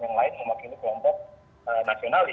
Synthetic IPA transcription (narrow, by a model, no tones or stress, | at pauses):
jaŋlaɪnməmakilukəlɔmpɔk̚ | ənasional